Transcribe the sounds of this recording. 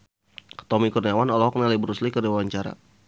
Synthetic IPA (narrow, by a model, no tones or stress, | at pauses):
t̪ɔmikurniawanɔlɔhɦɔk̚nalibəɾuslikədewawaɲt͡ʃaɾa̰